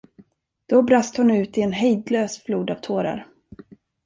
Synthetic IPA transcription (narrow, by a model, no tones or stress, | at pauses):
d̪̥ɔbɾast̪hʊnʉ̟ːt̪ɪɛnɦɛjd̪løːsfluːd̪av̥t̪ʰoːɾa̰ɾ